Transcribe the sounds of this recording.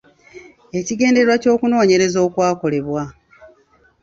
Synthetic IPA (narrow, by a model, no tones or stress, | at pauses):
e̞ciɡe̞ːnde̞ewaco̞ːkuno̞ːɲe̞ɾe̞zo̞ːkwaːko̞le̞βwa